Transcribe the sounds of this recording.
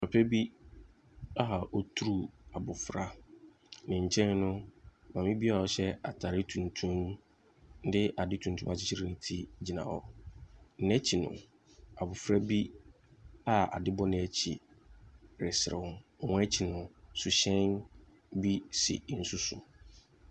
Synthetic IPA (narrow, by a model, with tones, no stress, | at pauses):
ɔ˨pʰɛ˦bi˦ | a˦ɦa˨ʔɔ˦tʰu˦ɾu˦a˨bʊ˨fɾa˦ | nɪ̃˨ɲ̩˨t͡ɕʰɛ̃˦n˦nʊ̃˦mã˨mɪ̃˦bi˦a˨ɔ˨ɕɛ˦a˨tʰa˨ɾɪ˦tʰũ˨ntʰũ˦m | n̩˦dɪ˦ʔa˨dɪ˦tʰũ˨n̩˨tʰũ˦mã˨t͡ɕɪ˦t͡ɕʰi˦ɾɪ˦nɪ̃˦tʰi˦d͡ʑi˨nã̰˨ɔ̰˨ | n̩˦nɛ̃˦t͡ɕʰi˨nʊ̰̃˨ | a˨bʊ˨fɾa˦bi˦ | a˨a̰˨dɪ˦bɔ˦nɪ̃˨˦ɛ˨t͡ɕʰḭ˨ | ɾɪ˨sɪ˨ɪ̰˨wʊ̃˦ɔ˨ɔ̃˦ɛ˦t͡ɕʰi˨nʊ̃˨sʊ˨ɕɛ̃˦n | bi˦sḭ˨˦n̩˨sʊ˦sʊ˨